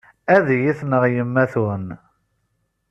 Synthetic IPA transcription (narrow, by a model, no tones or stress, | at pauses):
æðjiθnəʁjəmːæθun